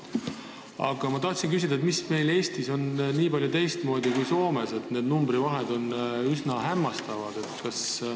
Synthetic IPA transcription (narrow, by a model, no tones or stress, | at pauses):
ɑ̰ɡ̥ɑmɑt̪ɑht̪sinkys̬ʲid̪ɑet̪misme̞jle̞ːst̪iso̞nniːpɑlʲjut̪e̞jst̪mo̞ːd̪ikujso̞ːme̞se̞t̪ne̞ːd̪numbɾivɑɦed̪o̞nysnɑɦæmːɑst̪ɑvɑd̪̥e̞t̪kɑs